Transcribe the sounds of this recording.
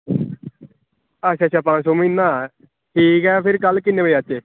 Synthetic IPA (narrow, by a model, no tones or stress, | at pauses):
əʃʰaːt͡ʃʰaːpãːsoːmĩːnːãː | ʈʰiːkɛːpʰɪɾkəlkɪnːeːʋəiat͡ʃeː